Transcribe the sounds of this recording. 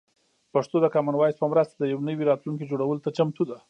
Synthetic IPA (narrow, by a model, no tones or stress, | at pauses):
paʂt̪od̪əkɑmanwɑjspəmɾəst̪ad̪əjawnəwiɾɑt̪lunk̬id͡ʒoɽawəlot̪at͡ʃamt̪ud̪a